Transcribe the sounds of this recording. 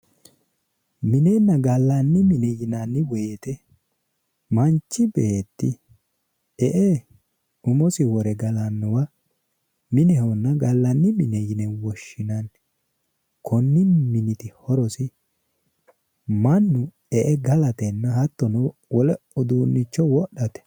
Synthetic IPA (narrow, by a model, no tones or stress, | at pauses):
mɪnenːɐɡɐlːanːɪmɪnɛjɪnanːɪwɔjet̪ɛ | mɐnt͡ʃːɪbɛʔet̪ːɪ | ɛʔɛ | ʊmɔsɪwɔɾɛɡɐlanːʊwɐ | mɪnɛhɔnːɐɡɐlːɐnːɪmɪnɛjɪnɛwɔʃːɪnɐn | kʰɔnːɪmɪnɪt̪ɪhɔɾɔsɪ | mɐnːʊ | ɛʔɛɡɐlɐt̪ɛnːɐhɐt̪ːɔnɔwɔlɛɔd̪uːnːɪt͡ʃːɔwɔɗːɐt̪ɛ̥